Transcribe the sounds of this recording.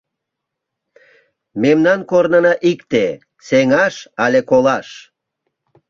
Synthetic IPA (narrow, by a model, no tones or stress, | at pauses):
memnɑnkornənɑʔikt̪e | seŋɑʃɑlʲekolɑʃ